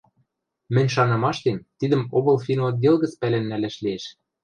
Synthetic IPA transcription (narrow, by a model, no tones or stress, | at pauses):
mɘ̆nʲʃ̬ɑnɤ̆mɑʃt̪ent̪id̪ɘ̆moβɤ̆lˠfinoɑd̪elɣɘ̆t͡spælĕnːælæʃlieʃ